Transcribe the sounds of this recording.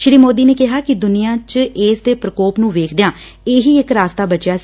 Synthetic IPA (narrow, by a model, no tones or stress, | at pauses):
ʃɪɾiːmoːd̪iːneːkɪɦaːkɪd̪ʊnijãːt͡ʃeːsd̪eːpɾəkoːpnũːʋeːkʰd̪ɪjãː | eːɦiːɪkɾaːst̪aːbət͡ʃjaːs